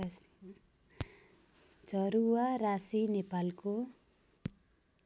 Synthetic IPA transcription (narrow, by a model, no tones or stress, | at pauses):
d͡zʱʌɾuwaɾasinepalko